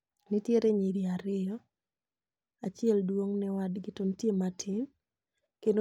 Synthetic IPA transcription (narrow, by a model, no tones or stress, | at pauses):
nɪtjeɾeɲiɾiaɾɪɔ | at͡ʃɪɛldwoŋnɛwadɡɪtontjematʰɪn | kendo